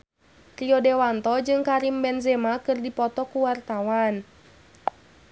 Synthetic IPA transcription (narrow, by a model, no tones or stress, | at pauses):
riɔdɛwant̪ɔd͡ʒɨŋkaɾimbɛnzɛmakɨrdipɔt̪ɔkuwart̪awan